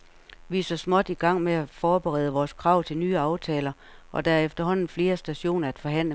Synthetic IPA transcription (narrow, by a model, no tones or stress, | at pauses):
ʋisɒsmɒ̽d̥iɡ̥ɑ̈ŋ̰meæfɒːb̥eʁɛ̰ð̞ˠəʋɒːskʰʁɑ̈ʊ̰t͡sʰe̝lnyːɑ̈ʊt͡sʰɛːlɐ | ʔɒ̽d̥ææɐefd̥ɐɦɒ̽n̰n̩fle̝ːɐsd̥æɕo̝̰ːnɐæd̥fɒ̽ɦæn̰lə